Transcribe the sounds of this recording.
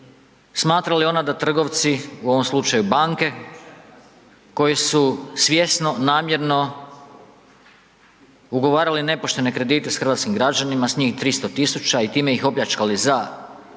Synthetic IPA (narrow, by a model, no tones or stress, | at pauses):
smaːt̪ɾalio̞nad̪at̪r̩ɡo̞ʋt̪siuo̞ʋo̞mslˠut͡ʃajubaŋke̞ | ko̞jesusʋʲje̞sno̞naːmje̞ɾno̞ | uɡo̞ʋaːɾaline̞po̞ʃt̪e̞ne̞kɾe̞d̪iːt̪e̞sxɾrʋaːt̪skimɡɾad͡ʑanimasɲiːxt̪ɾist̪o̞t̪isut͡ʃait̪iːme̞ixo̞pʎat͡ʃkaliza